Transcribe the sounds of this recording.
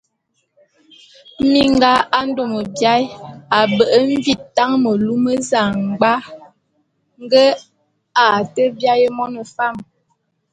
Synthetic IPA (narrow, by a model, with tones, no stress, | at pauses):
mi˦ŋɡa˦a˦n̩˦do˨mə˨bja˦ja˨bə˨ʔə˦ɱ˦vi˨ta˦ŋmə˨lu˦mə˦za˨ŋ˨ɡ͡ba˦ | ŋ˦ɡə˦ | a˨tə˦bja˦jə˦mɔ˦nə˨fa˦˨m